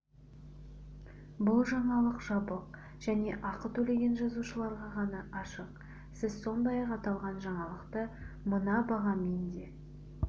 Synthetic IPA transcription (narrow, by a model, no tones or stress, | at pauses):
bʊlˠʒɑɴɑlˠəqʒɑbəq̚ | ʒ̥æne̞ʔɑqət̪ʰɵle̞ɡʲe̞nʒɑzuʃəlˠɑɾʁɑʁɑnɑʔɑʃəq | sɪzso̞nd̪ɑjɑqɑt̪ɑlˠʁɑnʒɑɴɑlˠəqt̪əmənɑbɑʁɑmend̪e̞